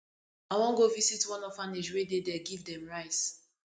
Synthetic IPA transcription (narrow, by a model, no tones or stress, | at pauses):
awɔ̃ŋɡovisitwɔ̃nɔfaneʃwededɛɡivdɛ̃mɹaɪs